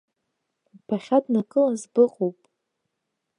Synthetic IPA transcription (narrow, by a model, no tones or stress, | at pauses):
pʰaχʲadnakʼɨlazbɨqʼowpʼ